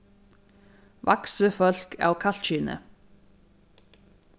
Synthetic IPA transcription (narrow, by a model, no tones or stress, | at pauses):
ʋʔa̰ksəfœlkʰa̰ːwkʰɑl̥t̪ʃʏːnə̰